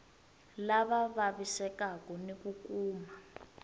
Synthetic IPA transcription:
laβaβaβisɛkakɔnekukuːma

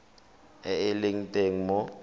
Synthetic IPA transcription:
ɛeleŋ̩tʼeŋ̩mɔ

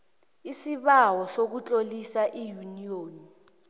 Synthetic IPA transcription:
isiɓawɔsok̬ut͡ɬʼolisaʔijunioːni

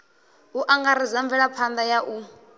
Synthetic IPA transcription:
uʔaŋɡaɾizaɱvɛɺapʰand̪ajaʔu

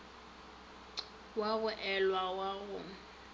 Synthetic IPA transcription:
waɣʊʔɛlwawaɣʊ

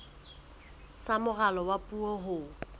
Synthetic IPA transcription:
samʊɣalɔwapʼuɔɦʊ

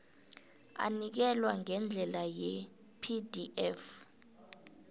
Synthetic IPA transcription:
a̰nik̬ɛlwaŋɛnd͡ɮʱɛlajɛ | pʰidiʔɛf

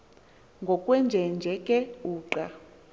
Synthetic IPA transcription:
ŋɡʱɔkʼwɛnd͡ʒʱɛnd͡ʒʱɛkʼɛuːǃa

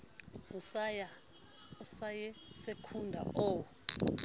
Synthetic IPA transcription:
usaja | usajɛsekʰundʱa̰ɔ

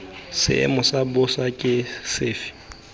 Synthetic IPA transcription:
sɪ̰ɪ̰mʊsabʊsakʼɪsɪːfɪ̥

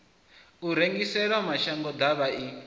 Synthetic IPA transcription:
uɾeŋɡisɛɺwamaʃaŋɡɔd̪aβai

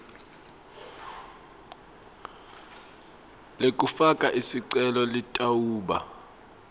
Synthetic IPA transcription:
lekʼufakʼaʔisiǀɛlɔlitʼauːɓa̰

